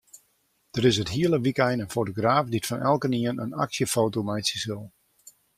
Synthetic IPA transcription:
d̥əɾɪsətɦiələʋikɛjnənfowtoɡraːfditfɔnɛ̰lˠkəniənə̰na̰ksjəfoːtomɛjtsisɪlˠ

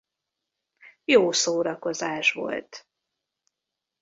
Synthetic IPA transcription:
joːsoːɾɒko̞zaːʃʋo̞̰lt̪

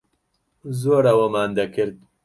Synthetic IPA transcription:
zoːɾɐwɐmaːnd̪ɐkʰɨɾd̪̚

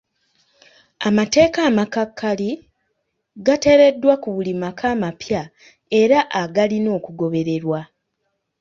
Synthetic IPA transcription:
amate̞ːkaːmakakʰːali | ɡate̞ːɾe̞dːwakuβulimakʰaːmapja | e̞ɾaʔaɡalino̞ːkuɡo̞βe̞ɾe̞ɾwa

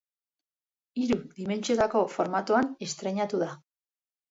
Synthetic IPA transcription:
iɾuðime̞nt͡siot̪ako̞fo̞ɾmat̪uane̞st̪ɾe̞ɲat̪uða

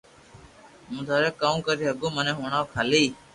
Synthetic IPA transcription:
mʊd̪ʱaːɾəkːaːũːkəɾiːɦəɡõːmənẽːɦoːɳaːʋkʰaːliː

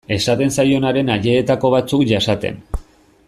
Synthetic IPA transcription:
e̞sat̪e̞nsajo̞naɾe̞naʎe̞ːt̪ako̞β̞at͡sukʝasat̪e̞̰n

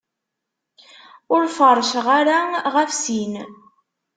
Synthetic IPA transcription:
ʊɾfəɾˤʃʁaɾaʁəfsin

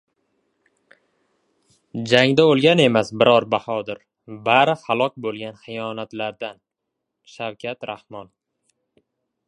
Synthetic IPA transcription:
d͡ʒaŋd̪aolˠɡʲane̞masbɪɾɒɾbahɒd̪ɪɾ | baɾɪhalˠɒk̚ʲbolˠɡʲanχɨjɒnat̪laɾd̪an | ʃawkʲʰat̪ɾahmɒn

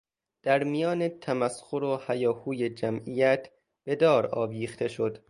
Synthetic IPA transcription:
d̪̥æɾmijɒːnet̪ʰæmæsxoɾohæjɒːhuːjed͡ʒæmijæt̪ʰ | b̥e̞d̪ɒːɾɒːbiːxt̪ʰe̞ʃo̞d̪̥

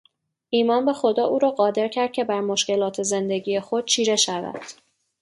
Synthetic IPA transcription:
ʔiːmɒːnbe̞xo̞d̪ɒːʔuːɾɒːɢɒːd̪e̞ɾcʲʰæɾd̪̥̚cʰe̞bæɾmo̞ʃce̞lɒːt̪ʰe̞ze̞nd̪e̞ɟiːjexo̞d̪̥̚t͡ʃʰiːɾe̞ʃævæ̰d̪̥

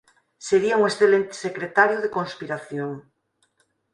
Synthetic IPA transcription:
seɾiauŋesθelent̪e̥sekɾet̪aɾjoð̞ekõnspiɾaθjoŋ

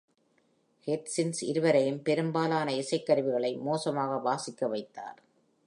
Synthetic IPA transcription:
hɛʈ̪sɪnsɪ̰ɾɯʋɐɾɐjɯmpɛɾɯmbaːlaːnɐɪsɐɪkːɐɾɯʋɪɣɐɭɐɪmoːsɐmaːɣɐʋaːsɪkːɐʋɐɪt̪ːa̰ːɾ

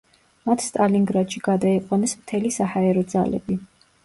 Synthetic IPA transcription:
mat̪ʰst̪ʼaliŋɡɾad̪̥ʃiɡad̪aiqʼwanɛsmt̪ʰɛlisahaɛɾɔd̪za̰lɛ̰bi

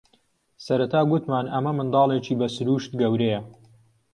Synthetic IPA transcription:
sɐɾɐt̪ʰaːɡʊt̪maːnɐmɐmɨnd̪ɑːlˠet͡ʃiːbɐsɨɾuːʃt̪ɡɐwɾejɐ

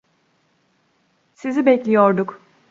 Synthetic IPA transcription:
sizibɛclʲijoɾd̪uk

